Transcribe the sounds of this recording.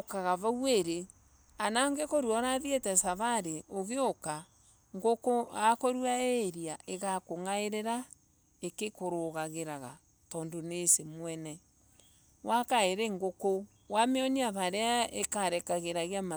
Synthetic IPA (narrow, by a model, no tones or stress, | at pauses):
kaɣaβaweɾe | anaŋɡekoɾwɔɾaðietɛsaβaɾeoɣeoka | ŋɡokoakoɾwaeɾiaʔeɣakoŋaeɾeɾa | ekekoɾoɣaɣeɾaɣa̰ | tɔːndonesemwɛnɛ | wakaeɾeŋɡoko | wameɔniaβaɾeaekaɾɛkaɣeɾaɣeama